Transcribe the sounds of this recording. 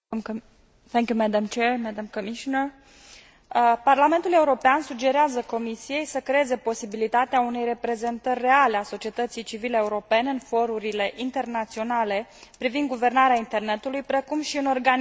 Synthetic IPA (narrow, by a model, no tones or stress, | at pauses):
θɛŋkjumæd̪amt͡ʃeɹmæd̪amkomiʃonər | parlame̞nt̪ule̞uɾo̞peansud͡ʒe̞ɾeazəko̞misije̞jsəkɾeeze̞po̞sibilit̪at̪eaune̞jre̞pɾe̞ze̞nt̪ərʲːe̞aleaso̞t͡ʃie̞t̪ət̪sijt͡ʃivileeuɾo̞pe̞neɨnfo̞ɾuɾile̞ʔint̪e̞rnat̪sio̞nale̞pɾivind̪̚ɡuve̞rnaɾeaint̪e̞rne̞t̪ulujpɾe̞kumʃiuno̞rɡan